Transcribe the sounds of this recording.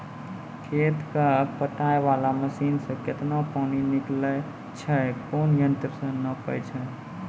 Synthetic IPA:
kʰet̪kapəʈaeʋalaməsinsə̃ket̪napaːniniklə | t͡ʃʰəkonjənt̪ɾəsə̃nəpəjt͡ʃʰɛ

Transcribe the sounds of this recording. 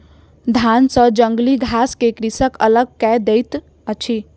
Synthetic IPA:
d̪ʱansə̃d͡ʒəŋɡliɡʱaskekɾisəkələɡ̚kɛd̪ejt̪ | ət͡ʃʰi

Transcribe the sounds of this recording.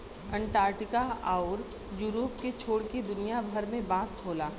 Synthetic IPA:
ɐ̃ɳʈaːɾʈɪkaaːʊɾ | juːɾoːpket͡ʃʰoːɽked̪ʊnijabʱəɾmẽbãːsɦoːlaː

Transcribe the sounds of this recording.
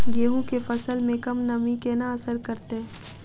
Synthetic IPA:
ɡeːɦũkefɐsəlmẽkɐmnɐmikenaɐsəɾkɐɾt̪eɦ

